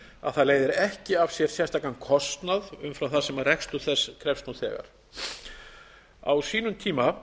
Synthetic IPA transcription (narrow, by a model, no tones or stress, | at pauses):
a̰ðθaðleːjðɪɾɛhcɪav̥sjɛɾ̥sjɛ̥st̪akankʰɔst̪naðʏmfɾawθaðsɛmarɛkst̪ʏθɛsːkʰɾɛfst̪nuθɛ̰ːɣa̰ɾ̥ | a̰wsiːnʏmt̪ʰiːma